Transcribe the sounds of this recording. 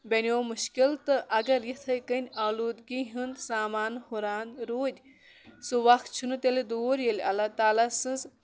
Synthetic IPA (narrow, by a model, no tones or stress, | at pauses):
benʲoːmuʃkilt̪ɨʔɐɡɐɾjit̪ʰɐjkənʲawluːd̪ɡiɦɨnd̪saːmaːnhuɾaːnɾoːd̪ʲ | suʋɐxt̪̚t͡ʃʰunɨt̪elid̪oːɾjelʲɐlat̪aːlasɨ̃nz